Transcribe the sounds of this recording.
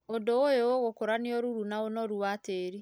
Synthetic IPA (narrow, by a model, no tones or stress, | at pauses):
ondoojooɣokoɾaneɔɾuɾunaonɔɾuwateɾi